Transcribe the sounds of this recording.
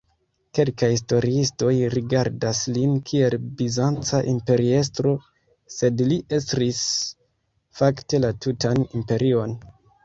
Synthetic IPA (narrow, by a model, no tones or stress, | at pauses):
ke̞lkajsto̞ɾiisto̞jɾiɡaɾdaslinkʰie̞lbizant͡saʔimpe̞ɾie̞s̬tɾo̞ | se̞dliʔe̞stɾis | fakte̞latutʰanimpe̞ɾio̞n